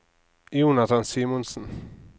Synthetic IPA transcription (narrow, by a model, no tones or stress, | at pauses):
juːnat̪ʰansiːmɔnsən